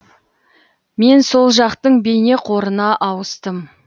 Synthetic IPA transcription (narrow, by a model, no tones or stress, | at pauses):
me̞nso̞lˠʒɑqt̪əɴbe̞jne̞qʰo̞ɾənɑʔɑwəst̪əm